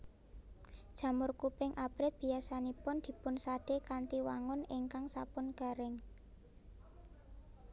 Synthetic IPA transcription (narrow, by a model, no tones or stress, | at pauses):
d̥ʒ̥a̤mʊrkupɪŋʔapɾɪt̪̚b̥i̤asanipʊnd̪̥i̤pʊnsaɖ̥ekant̪iwaŋʊnɪŋkaŋsapʊnɡ̥a̤ɾɪŋ